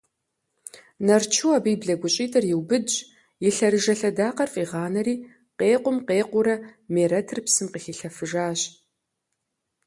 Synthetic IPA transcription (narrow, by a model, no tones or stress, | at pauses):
nɐrt͡ʃʰuwaːbiːbɮɐɡʷʊɕʼiːtʼɨrjɪwbɨd͡ʒ | jɪɬɐɾɨʒɐɬɐdaːqɐrfʼiːʁɑːnɐɾiː | qeːqʷʊmqeːqʷʊɾɐmeːɾɐtʰɨrpsɨmqixiɬɐfɨʒaːɕ